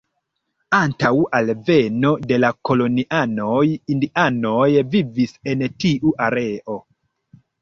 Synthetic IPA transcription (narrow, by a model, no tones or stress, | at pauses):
antawalve̞no̞de̞lako̞lo̞niʔanojindiʔanojvivisentiʔuʔaɾe̞ʔo